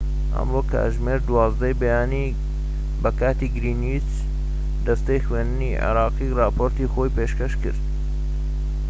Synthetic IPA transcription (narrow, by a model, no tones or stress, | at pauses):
hɐ̰mroːkʰa̰ʒmeːɾd̪wɑːzd̪ɐjbejaːni | bɐkaːt̪iːɡɾiːnit͡ʃ | d̪ɐst̪ɐjxweːnd̪ɨnḭʕḛɾɑːqiːrɑːpʰoɾt̪iːxoːjpeːʃkɐʃkɨ̰ɾt̪